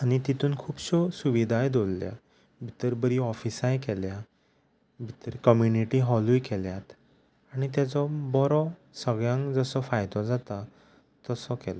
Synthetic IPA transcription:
aɽ̃it̪it̪uːnkʰuːbɕɔsuʋid̪ʱajd̪ollja̰ | bʱit̪əɾbəɾiɔfisãjkɛlja | bʱit̪əɾkəmjuniʈiɦɔlujkɛljat̪ | aɽ̃it̪̬jat͡sɔbɔɾɔ | səɡɭjãŋkd͡zəsɔfajt̪ɔd͡zat̪a | t̪əsɔkɛlɔ

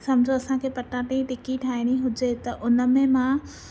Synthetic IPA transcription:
sɐmd͡ʑʱoɐsãkʰeːpɐʈãʈẽĩʈɪkiʈʰaːɪɽ̃iɦʊd͡ʑet̪ɐʔʊnə̆mẽmã

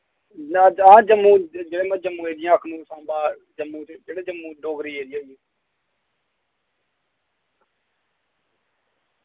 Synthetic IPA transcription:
ãːd͡ʒəmũːd͡ʒeːɽeːmãd͡ʒəmːũːɦeːd̪ɪjãːkʰnũːsãːbaː | d͡ʒəmːũːd͡ʒeːɽeːd͡ʒəmːũːdoːɡɾiːɦeːd̪ijaːjũː

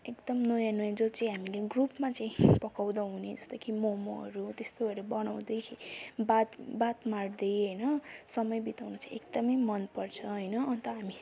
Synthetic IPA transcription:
ekd̪ʌmnʌjanujãd͡zot͡saĩɦamileɡrupmat͡saĩpʌkawd̪ʌɦuned͡zʌst̪ʌkʰimomoɦʌ̰ɾut̪est̪obʱʌɾebʌnaw̃d̪ʌjkʰibat̪bat̪mard̪ʌjɦʌjnʌsʌmʌjbit̪awnʌt͡sʰʌ̃ekd̪ʌmʌjmʌnpʌrt͡sʰʌɦʌjnʌʌnt̪ʌɦami

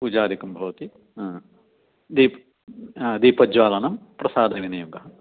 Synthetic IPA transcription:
puːd͡ʒaːd̪ikɐmbʱɐʋɐt̪i | d̪iːpː | d̪iːpɐd͡ʒʋaːlɐnɐmpɾɐsaːd̪ɐʋinɐjuɡɐɦ

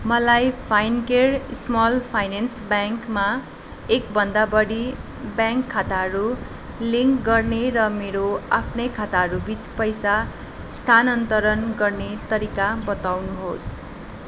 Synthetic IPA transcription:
mʌlajpʰajnkersmʌlpʰajnensbjaŋkma | ekbʱʌnd̪abʌɽi | bjãŋkʰːat̪aɦʌɾu | liŋkɡʌrneɾʌmeɾoapʰnʌjkʰat̪aɦʌɾubit͡spʌjsa | st̪ʰanʌnt̪ʌɾʌnɡʌrnet̪ʌɾikabʌt̪awnuɦos

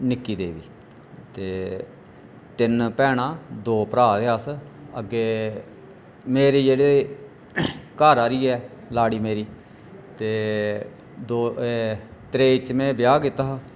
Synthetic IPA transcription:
nɪkːiːd̪eːʋiː | t̪eː | t̪ɪnpɛːɽ̃aːd̪oːpəɾaːd̪eaːsəɡeː | meːɾeːd͡ʒeːɽeː | kaːɾaːɾiːɛːlaːɽiːmeːɾiː | t̪eː | d̪oːet̪ɾeːɪt͡ʃmɛ̃ːbɪjaːkɪt̪aː

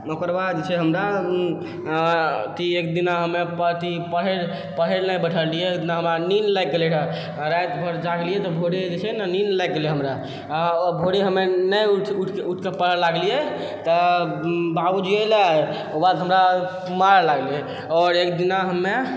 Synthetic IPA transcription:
nokəɾbad̪d͡ʒet͡ʃʰɛɦəmɾa | t̪iekd̪inaɦəmepət̪ipəɦeɾ | pəɦelnajbəʈʰəlijeekd̪inaɦəmɾaninlajkːelɛʈʰə | ɾajt̪bʱəɾd͡ʒaɡlijet̪ɔbʱoɽid͡ʒet͡ʃʰɛnaninlɛjkːeleɦəmɾa | bʱoɽiɦəmːenəjʈʰuʈʰeuʈʰkepəɦelaɡlije | t̪ɔ | babud͡ʒielae | obad̪ɦəmɾa | maɾlaɡlie | ɔɾek̚d̪inaɦəmːe

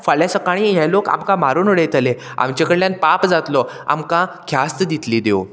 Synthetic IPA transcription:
fəɭjasəkaɽ̃iɦɛloka̰mkãmaɾunəɽejt̪əle | a̰mt͡ɕekəɽljanpapd͡zat̪lɔ | a̰mkãkʰjast̪d̪it̪liːd̪ew

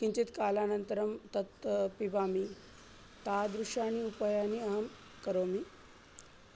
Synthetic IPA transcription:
kiɲt͡ʃit̪kaːlaːnɐnt̪əɾɐmt̪ɐt̪pibaːmi | t̪aːd̪ɾuʃaːniupajaːniɐɦɐm | kɐɾoːmi

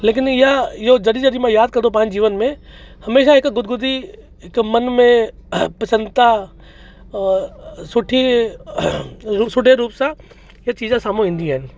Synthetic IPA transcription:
leːk̬ɪnɪjaɪɦod͡ʒɐɽid͡ʒɐɽimãjaːd̪̚kɐɾd̪op̬ãːɲd͡ʑiːʋənmẽ | hɐmeːʃaɦɪkɡʊd̪̚ɡʊd̪i | ɦɪkmɐnmẽpɐsə̃nd̪t̪a | sʊʈʰi | ɾusʊɖʱeɾuːpsã | jat͡ʃiːzãsaːmõɦĩːn̆d̪iaːɦɪnɪ̆

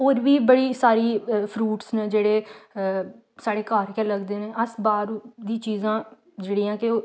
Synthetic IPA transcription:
oːɾʋiːbəɽiːsaːɾiːpʰɾuːʈsnəd͡ʒeːɽeː | saːɽeːkaːɾkɛ̃ːləɡd̪eːneːʔəsbaːɾd̪ĩːt͡ʃiːzãː | d͡ʒeːɽĩːãːkɪoː

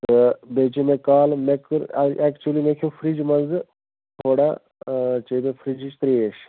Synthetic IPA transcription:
t̪ɨbeːt͡ʃemekaːlmekɾɛːkt͡ʃuulimekʰifʰɾid͡ʒmɐnzɨ | t̪ʰoːɽa̰ | t͡ʃebefʰɾid͡ʒit͡ʃt̪ɾieːʃ

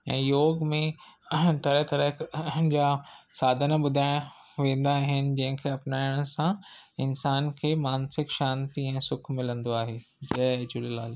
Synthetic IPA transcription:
ɛ̰̃ːjoːɡmẽt̪ɐɾɛɦt̪ɐɾəkd͡ʑaːsaːd̪ʱənɓʊd̪ʱaːɪɽ̃ | ʋẽːnd̪aɦɪnɪ̆d͡ʑɐ̃ɦɪ̃kʰeɐpnaːɪʊɽ̃ʊsãɪnsaːnkʰeːmaːnsɪkʃaːnt̪iɛ̃ːsʊkʰmɪlə̃nd̪oaːɦeː | d͡ʑɐɦd͡ʑʊllaːl

